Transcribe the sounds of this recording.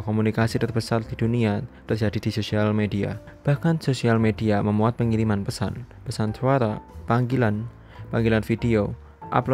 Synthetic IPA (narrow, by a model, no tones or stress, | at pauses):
komunikasit̪ərbəsard̥iduniat̪ərd͡ʒadid̥isosialmedia̰b̥ahkansosialmediaməmuat̪̚pəŋiɾimanpəsa̰n | pəsansoaɾapaŋɡilan | paŋɡilanfidio | ʔa̰plo